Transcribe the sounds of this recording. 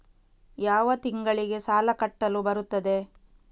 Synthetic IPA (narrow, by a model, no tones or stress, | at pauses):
jaːʋɐt̪iŋɡɐɭiɡe̞saːlɐkɐʈːɐlubɐɾut̪ːɐd̪e̞